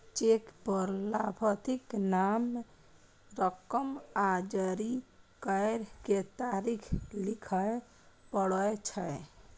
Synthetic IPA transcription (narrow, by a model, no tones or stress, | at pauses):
t͡ʃekpəɾlabʱət̪iknam | ɾəkəmad͡ʒəɾikəɪɾket̪aɾikʰlikʰə | pəɽəjt͡ʃʰəj